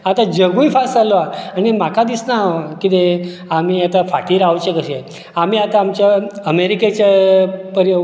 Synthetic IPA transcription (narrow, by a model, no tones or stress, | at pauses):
at̪ad͡ʒəɡuifʰasaloaanemakad̪isnakit̪e | amiat̪afʰaʈiɾaʋt͡ʃekəʃe | amiat̪aːmt͡ɕaəmeɾiket͡ɕapəɾjə